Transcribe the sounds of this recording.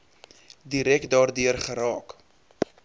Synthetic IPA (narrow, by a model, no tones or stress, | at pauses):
diɾɛkdɑːrdyərχəɾɑːk